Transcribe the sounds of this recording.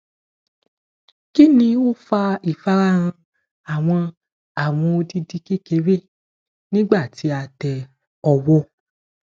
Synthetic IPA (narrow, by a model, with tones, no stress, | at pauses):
ki˦nĩ˧o˦fa˧i˦˨fa˦ɾa˦ɾ̃ã˧ | a˨w̃ɔ̃˧ | a˦˨w̃ɔ̃˧o˧di˧di˦ki˦ke˨˦we˦˨ | nĩ˦ɡ͡ba˦˨ti˨˦a˧˨tɛ˨ | ɔ˧wɔ˦